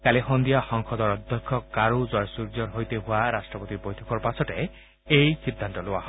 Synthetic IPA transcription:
kaliɦond̪ijaxɔŋkʰɔd̪ɔɾɔd̪ʱjɔkʰːɔkaɾud͡ʒɔjɔsuɾd͡ʒɔɾɦojt̪eɦuaɾasʈɾɔpɔt̪iɾbojt̪ʰɔkɔɾpasʰɔte | ejsid̪ʱːant̪ɔloaɦɔ

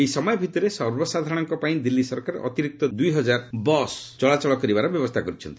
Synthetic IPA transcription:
eisɔmɔjɔbʱit̪ɔɾesɔɾbɔsad̪ʱaɾɽ̃ɔŋkɔpaĩd̪ilːisɔɾkaɾḛʔɔt̪iɾik̚t̪ɔd̪ujɦɔd͡ʒaɾbɔst͡ʃɔɭat͡ʃɔɭɔkɔɾibaɾɔbjɔbɔst̪ʰakɔɾut͡ʃʰɔnt̪i̥

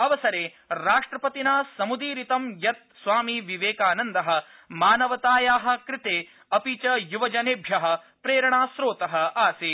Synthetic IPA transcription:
ɐʋɐsɐɾeː | ɾaːʂʈɾɐpɐt̪inaːsɐmud̪iːɾit̪ɐmjɐt̪̚sʋaːmiʋiʋeːkaːnɐnd̪ɐɦɐ̆ | maːnɐʋɐt̪aːjaːɦɐ̆kɾɪt̪eː | ɐpiːt͡ʃɐjuʋɐd͡ʒɐneːbʱjɐɦɐ̆ | pɾeːɾɐɳaːsɾoːt̪ɐɦɐaːsi

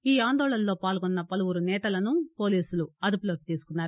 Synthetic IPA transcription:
iːaːnd̪ɔːɭɐnlo̞ːpaːlɡɔnːɐpɐluʋuɾunɛːt̪ɐlɐnupo̞ːliːsuluɐd̪uploːd̚t̪iːsu̥kunːaːɾu

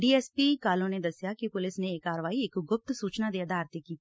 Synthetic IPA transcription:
ɖiːɛːspikaːlõned̪ɐsjakipʊlɪsneːkːaːɾʋaːiɪkɡʊp̚t̪suːt͡ʃnad̪eɐd̪ʱaːɾt̪ekiː

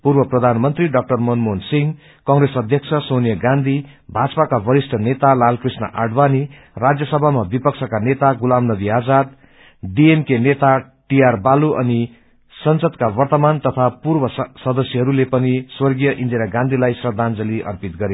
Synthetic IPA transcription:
purbʌprʌd̪ʱanmʌnt̪riɖʌk̚ʈʌrmʌnmonsiŋ | kʌ̃ŋɡresʌd̪ʱjʌkt͡sʰʌsonijʌɡãnd̪ʱi | bʱad͡zpakabʌɾisʈʰʌnet̪alalkrisnʌ̰ʔaɖbani | rad͡zjʌsʌbʱamabipʌksʰʌkanet̪aɡulamnʌd̪iad͡zad̪ | ɖiemkenet̪a | ʈijarbaluʔʌ̰ni | sʌnsʌd̪kabʌrt̪ʌmant̪ʌt̪ʰapurbʌsʌd̪ʌsjʌɦʌɾulepʌniswʌrɡijʌʔind̪eɾaɡãnd̪ʱilajsrʌd̪ʱand͡zʌliʔʌ̰rpit̪̚ɡʌɾe

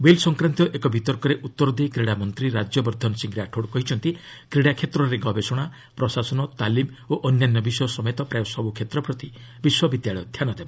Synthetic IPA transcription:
welsɔŋkɾant̪ɔʔekɔbit̪ɔɾkɔɾeʔut̪ːɔɾɔd̪eikɾeɽamɔnt̪ɾiɾad͡ʒjɔbɔɾd̪ʱɔnsiŋɡɾaʈʰoɽkɔɦit͡ʃʰɔnt̪i | kɾeɽakʰet̪ɾɔɾeɡɔbesɔɽ̃a | pɾɔsasɔnɔt̪alim | oʔɔnjanːɔbisɔjɔsɔmet̪ɔpɾajɔsɔbukʰet̪ɾɔpɾɔt̪ibiswɔbid̪jaɭɔjɔd̪ʱjanɔd̪ebɔ

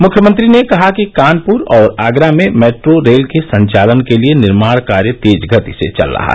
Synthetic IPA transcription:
mʊkʰjəmə̃nt̪ɾinekɐɦakikaːnpʊɾɔːɾaːɡɾamẽmeːʈɾoɾeːlkesɐ̃ɲt͡ʃaːlənkelienɪɾmaːɽkaːɾjət̪eːd͡ʒɡʱət̪isḛt͡ʃɐ̰lːɐ̰ɦa̰ɦ

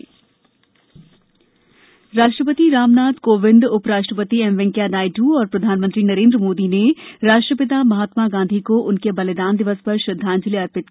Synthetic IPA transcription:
ɾaːʃʈɾəpət̪iɾaːmnaːd̪koːʋɪ̃nd̪ʊpɾaːʃʈɾəpət̪iɛmʋɛ̃ŋkjanaːiʈuːɔːɾpɾɐd̪ʱaːnmə̃nt̪ɾinɐɾẽːnd̪ɾəmoːd̪ineɾaːʃʈɾəpɪt̪̬amɐɦaːt̪maɡãːnd̪ʱikoʔʊnkebɐlɪd̪aːnd̪ɪʋəspɐɾʃɾɐd̪ʱːaːnd͡ʒɪleɐɾpɪt̪̚

